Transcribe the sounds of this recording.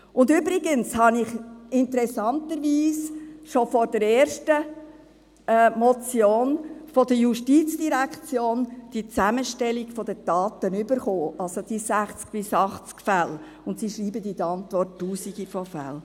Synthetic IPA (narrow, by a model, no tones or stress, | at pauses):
ʊnd̪ʏbɾiɡənshɑnɪχɪntəɾɛsɑnt̪əɾʋiːsʃofɔɾdəɾeːɾʃtə | mɔt͡sjoːnfɔd̥̪əjuʃtiːt͡sd̥iɾækt͡sjoːnd̥it͡sæməʃtɛlikfɔd̪əd̥ɑːt̪ənʏbəɾχoːʔɑlsod̥isæχt͡sk̚b̥ɪsɑχt͡skfæl | ʊntsiʃɾiːbəd̪id̪əɑnt̪ʋɔrttːuːsiɡifɔfæ̰l